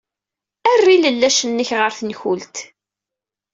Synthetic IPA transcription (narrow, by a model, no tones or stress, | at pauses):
ærːiləlːæʃənːəçʁəɾθənçult̪